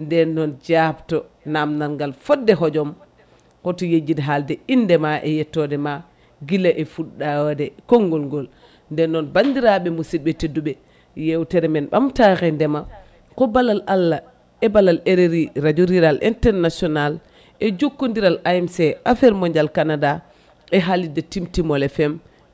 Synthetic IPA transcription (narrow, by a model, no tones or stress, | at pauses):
ndɛnːɔnd͡ʒabtɔ | namnanŋɡalfɔdːɛɦɔd͡ʒɔm | kɔtɔjed͡ʒːidɛɦaldɛindɛmaʔɛjɛtːɔdɛma | ɡilaʔɛfuɗːadɛkɔŋɡɔlŋɡɔl | ndɛnːɔnbandiɾaɓɛmusiɓɛtedːuɓɛ | jɛwtɛɾɛmɛnɓa̰mtaxɛndɛma | kɔbalalʔalːa | ɛbalaleɾeɾiɾad͡ʒuɾiɾalʔḭntɛɾnasɔnal | ɛd͡ʒokːundiɾalajɛmsɛʔafɛɾmɔɲd͡ʒalkanada | ɛɦalidɛtimtimɔlɛfɛm